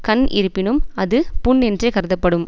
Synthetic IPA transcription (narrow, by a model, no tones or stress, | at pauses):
kɐnɪ̰ɾɯpːɪnɯmɐðɯpʊɳːɛndrekɐɾɯðɐpːɐɽɯm